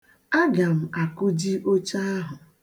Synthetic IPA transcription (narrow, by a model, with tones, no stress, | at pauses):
a˦ɡa˨m̩˨a˨kʊ˦d͡ʒi˦ʔo˦t͡ʃa˦a˦ɦʊ˨